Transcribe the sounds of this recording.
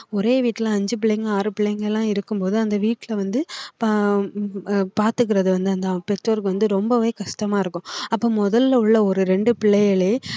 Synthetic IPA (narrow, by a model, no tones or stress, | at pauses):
ɔɾeːʋiːʈːɪlãɐɲd͡ʒɯp̬ɪɭːejɪŋɡɐaːɾɯpɪɭːɛjŋɡɐɛlːãːɪɾɯkːɯmpoːðɯɐnd̪ɐʋiːʈːɪlɐʋɐnd̪ɯp | paːɾt̪ɯk̬ːɪɾɐðɯʋɐnd̪ɯɐnd̪ɐpɛʈɾɐɾkɯʋɐnd̪ɯɾɔmbɐʋeːkɐʂʈɐmaːɪɾɯkːʊ̃ɐpːoːmɔðɐlːʊɭːɐɔɾɯɾɛɳɖɯpɪɭːɐjɐɭeː